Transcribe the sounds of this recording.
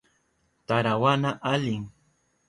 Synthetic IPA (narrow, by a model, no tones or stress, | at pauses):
t̪aɾawanaʔaʎɪŋ